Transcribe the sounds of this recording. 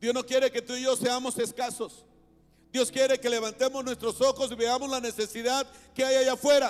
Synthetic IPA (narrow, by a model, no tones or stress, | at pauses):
d̪jo̞zno̞kje̞ɾe̞ke̞t̪uiʝo̞se̞amo̞se̞skaso̞s | d̪jo̞skje̞ɾe̞ke̞le̞βant̪e̞moznwest̪ɾo̞so̞xosiβeamo̞zlane̞se̞siðaðkeajajafwe̞ɾa